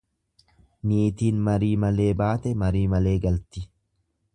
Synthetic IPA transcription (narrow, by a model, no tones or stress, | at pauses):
niːt̪iːnmɐɾiːmɐle̞ːbaːt̪ɛmɐɾiːmɐle̞ːɡɐlt̪ɪ